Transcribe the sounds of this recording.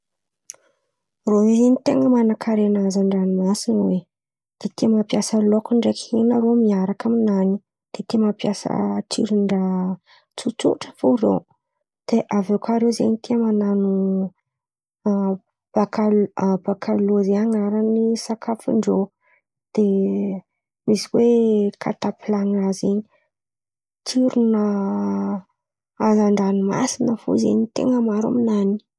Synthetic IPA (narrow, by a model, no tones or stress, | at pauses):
roizenit̪eŋəmanakʰaɾenazaɳɖ͡ʐanimasinwe | d̪̥et̪iəmapjasəlokuɳɖ͡ʐekenaɾomiaɾakaminani | d̪̥et̪imapjasə̰ʈ͡ʂiɾiɳɖ͡ʐa | t͡sut͡suʈ͡ʂə̥foɾḛw | d̪̥eʔavekaɾewzḛnit̪iəmananu | b̥akalb̥akʰaluzeaŋaɾanisakʰafṵɳɖ͡ʐo | d̪̥e | misiwekʰa̰t̪apilaŋazeɲi̥ | t͡siɾunə | azaɳɖ͡ʐanima̰sinəfo̰zḛɲit̪ḛŋəmaɾa̰minani̥